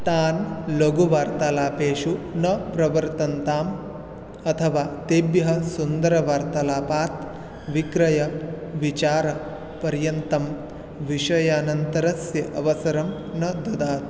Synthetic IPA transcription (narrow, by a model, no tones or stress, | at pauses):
t̪aːnloɡuʋaːɾt̪ɐlaːpeːʂunɐpɾɐʋɐɾt̪ɐnt̪aːm | ɐt̪ʰɐʋaːt̪ebjɐɦɐsund̪ɐɾɐʋaːɾt̪ɐlaːpaːt̪ | ʋikɾɐjɐʋit͡ʃaːɾɐ | pɐɾjɐnt̪ɐm | ʋiʂɐjɐːnɐnt̪ɐɾɐsjɐʔɐʋɐsɐɾɐm | nɐd̪ɐd̪aːt̪̚